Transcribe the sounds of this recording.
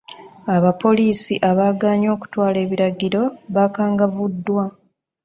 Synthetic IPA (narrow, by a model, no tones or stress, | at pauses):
aβapo̞liːsiʔaβaːɡaːɲo̞ːku̥twaːle̞ːβiɾaɟiɾo̞βakaːŋɡavudːwa